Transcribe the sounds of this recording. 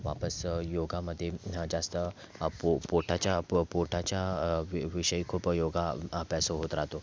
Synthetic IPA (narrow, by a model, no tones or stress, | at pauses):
ʋa̰pəsjoɡaməd̪ʱːjed͡zast̪ə | popoʈʰat͡ɕjapoʈʰat͡ɕjaiʋiɕəiːkʰuːpjoɡapɛsoɦot̪ɾaɦt̪o